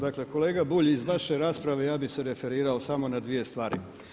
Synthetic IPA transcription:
d̪akle̞ko̞leːɡabuːʎizʋaʃe̞ɾaːspɾaʋe̞jaːbise̞ɾe̞fe̞ɾiːɾao̞samo̞nad̪ʋije̞st̪ʋaːɾḭ

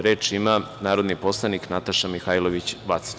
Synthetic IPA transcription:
ɾeːt͡ʃimanaːɾo̞d̪nipo̞slˠaniknat̪aʃamixaːjloʋit͡ɕʋat̪s

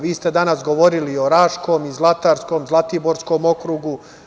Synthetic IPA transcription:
ʋiːst̪e̞d̪anasɡo̞ʋo̞ɾilio̞ɾaːʃko̞mizlˠat̪aːɾsko̞mzlˠat̪ibo̞ɾsko̞mo̞kɾuɡu

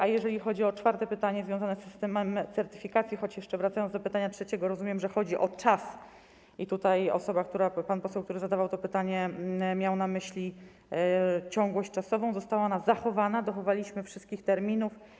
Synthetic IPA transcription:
ʔajɛʐɛlʲixɔd͡ʑiɔt͡ʂfaɾt̪ɛpɘt̪aɲɛzvʲjɔ̃zanɛsːɘst̪ɛmɛmt̪sɛɾt̪ɘ̥fʲikat̪sʲjixɔt͡ɕjɛʂt͡ʂɛvɾat̪sajɔnzd̪ɔpɘt̪aɲatʂɛt͡ɕɛɡɔɾɔzumʲjɛmʐɛxɔd͡ʑiʔɔt͡ʂas | ʔit̪ut̪ajɔ̰sɔbakt̪uɾapanpɔsɛwkt̪uɾɘzad̪avawt̪ɔpɘt̪aɲɛmʲjawnamɘɕlʲi | t͡ɕɔ̃ŋɡwɔɕt͡ɕʲt͡ʂasɔvɔ̃w̃zɔst̪awaɔnazaxɔvanad̪ɔxɔvalʲiɕmɘfʂɘst̪̚kʲixt̪ɛɾmʲinuf

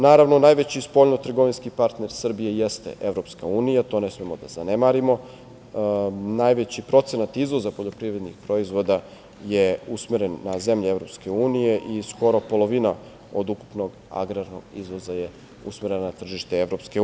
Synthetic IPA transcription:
naːɾaʋno̞najʋet͡ɕispo̞ʎnot̪r̩ɡo̞ʋinskipaɾt̪ne̞ɾsr̩bije̞jest̪ḛʔeʋɾo̞pskauːnijat̪o̞ne̞smemod̪a̰zane̞maɾimo̞ | najʋet͡ɕipɾo̞t̪senat̪izʋo̞zapo̞ʎo̞pɾiʋɾe̞d̪nḭxpɾo̞izʋo̞d̪a | jeusmeɾenːaze̞mʎevɾo̞pske̞uːnije̞ʔisko̞ɾo̞po̞lˠo̞ʋina | o̰d̪uku̥pno̞ɡ | a̰ɡɾaɾnoɡizʋo̞zaje̞ | usmeɾenanat̪r̩ʒiʃt̪e̞eʋɾo̞pske

